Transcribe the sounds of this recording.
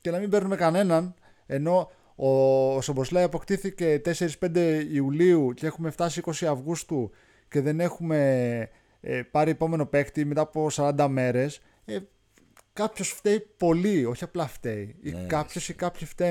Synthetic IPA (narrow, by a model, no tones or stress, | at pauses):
cenɐmimbe̞ɾnume̞kɐne̞nɐn | e̞no̞ | osobo̞slɐjɐpo̞kt̪iθice̞t̪e̞se̞ɾispe̞nd̪e̞iuliuceexume̞ft̪ɐsiiko̞siɐvɣust̪u | ce̞ðe̞ne̞xume̞ | pɐɾiepo̞me̞no̞pe̞kt̪ime̞t̪ɐːpo̞sɐɾɐnd̪ɐme̞ɾe̞s | e | kɐpço̞sft̪e̞ipo̞lio̞çiɐplɐft̪e̞iikɐpço̞sikɐpçift̪e